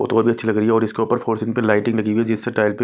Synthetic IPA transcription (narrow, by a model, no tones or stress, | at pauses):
o̰t̪oɾbʱiɐtːʃʰilɐɡɾieɔːɾɪskeuːpəɾfʰoːɾsɪ̃npẽlaːɪʈɪ̃ŋɡlɐɡiwed͡ʒɪsːeʈaːɪlpe